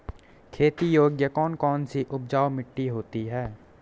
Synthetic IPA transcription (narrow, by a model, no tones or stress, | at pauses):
kʰeːt̪ijoːɡjəkɔːnkɔːnsiʔʊb̚d͡ʒaːwmɪʈːiɦoːt̪iɦɛː